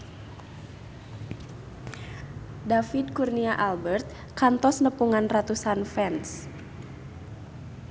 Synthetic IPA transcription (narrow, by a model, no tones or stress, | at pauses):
dafid̚kurniaʔalbərt̪̚ | kant̪ɔsnəpuŋanrat̪usanfɛns